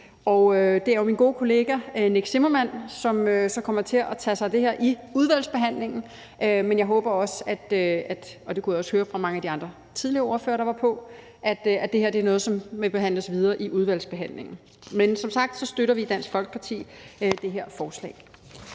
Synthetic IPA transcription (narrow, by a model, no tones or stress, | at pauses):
ɒʊød̥e̝æɐominɡo̝ːkʰo̝le̝ːɡ̥æne̝ɡ̥semɐmæn̰sɒ̽møsɒ̽kʰɒ̽m̰ɐt͡sʰe̝ɒ̽t͡sʰɛsɑ̈ɪd̥e̝heɐ̰ʔiuð̞ˠʋæl̰sb̥e̝ɦæn̰le̝ŋn̩ | ʔømenjɑ̈ɪɦɔ̽ːb̥ɐɒ̽sæd̥øæd̥ɒ̽d̥e̝kʰujɒ̽shøːɐfʁɑ̈mɑ̈ŋəædiɑ̈nd̥ʁɐ | t͡sʰið̞ˠliɐɔːɐfø̰ːɐɾ̥ɑ̈ʋɑ̈pʰɒ̽ | ʔæd̥æd̥e̝ɦeɐ̰d̥e̝æɐnɔ̽ːð̞̩ˠsɒ̽mmeb̥e̝ɦæn̰ləsʋið̞ˠɐːʔiʔuð̞ˠʋæl̰sb̥e̝ɦæn̰le̝ŋn̩ | mensɒ̽msɑ̈ɡ̥̚d̥sɒ̽sd̥øɾɐʋid̥æn̰sɡ̥fɒ̽lɡ̥ə̥pʰɑ̈t͡sʰḭːd̥e̝ɦeɐ̰fɒːslɛ̰ː